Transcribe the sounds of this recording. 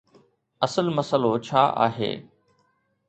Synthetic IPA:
ɐsəlməsəlot͡ɕʰa̰ːʔa̰ːɦḛː

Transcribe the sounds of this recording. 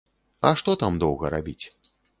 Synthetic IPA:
ɐʂt̪ɔt̪amd̪ɔwɣɐɾabʲit͡sʲ

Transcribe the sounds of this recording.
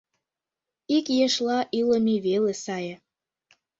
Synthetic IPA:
ikjeʃlɑʔilə̆miβelesɑjə̆

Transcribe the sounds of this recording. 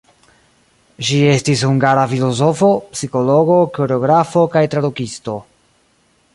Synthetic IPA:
ʃie̞stishuŋɡaɾafilo̞zo̞fopsiko̞lo̞ɡo̞koɾeo̞ɡɾafo̞kajtɾadukisto̞

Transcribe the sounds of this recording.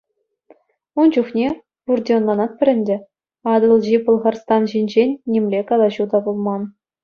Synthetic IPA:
und͡ʑuχnʲe | purdʲionlˠɑnɑt̪̚pʲɘ̆ɾʲɘ̆nʲdʲɘ̆ | ɑd̪ɤ̆lˠʑipulˠʁɑrst̪ɑnʑinʲd͡ʑenʲːemʲlʲekɑlˠɑʑud̪ɑbulˠmɑn

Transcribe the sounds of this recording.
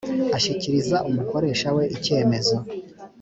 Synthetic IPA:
aʃiciɾizaʔumuko̞ɾe̞ːʃawe̞ʔice̞ːme̞zo

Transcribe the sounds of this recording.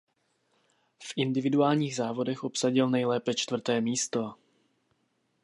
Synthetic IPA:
fʔɪndɪvɪduaːlɲiːɣzaːvo̞dɛxʔo̞psaɟɪlnɛjlɛːpɛt͡ʃt̪vr̩t̪ɛːmiːst̪o̞

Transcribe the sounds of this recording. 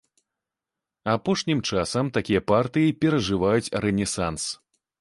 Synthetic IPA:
apɔʂnʲimt͡ʂasɐmt̪akʲijɐpart̪ɨjipʲɛɾɐʐɨvajut͡sʲrɛnʲɛsans

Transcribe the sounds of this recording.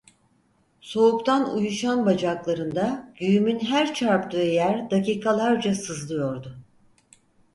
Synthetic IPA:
so̞upt̪ʰanṵjuʃanbad͡ʒaklˠaɾɯnd̪aɟ̥yjymynɦæɾt͡ʃʰaɾpt̪ɯejæɾd̪aciːkʰalˠaɾd͡ʒasɯzlˠɯjo̞ɾd̪ʊ

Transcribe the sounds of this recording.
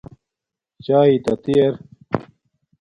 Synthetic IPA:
t͡ɕaːit̪ɐt̪ijɐɾ

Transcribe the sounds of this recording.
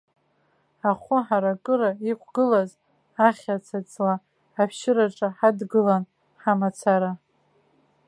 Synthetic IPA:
aχʷʊħaɾakʼɨɾaikʷʰʼɡɨlaz | aχʲat͡sʰat͡sʼla | apʰʃɪɾaʈ͡ʂʼaħadɡɨlan | ħamat͡sʰaɾa

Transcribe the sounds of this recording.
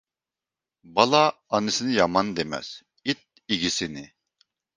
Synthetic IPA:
bɑlˠaːnisinijɑmand̪emɛ̰z̥ | it̪̚ | iɡisinɪ

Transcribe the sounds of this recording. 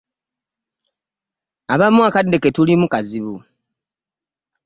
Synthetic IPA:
aβamuakadːe̞ke̞tulimukaziβu

